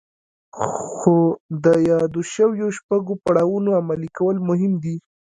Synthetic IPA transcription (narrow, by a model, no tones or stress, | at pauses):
xod̪əjɑd̪oʃəwjoʃpaɡopaɽawunoamalikawəlmʊɦɪmd̪i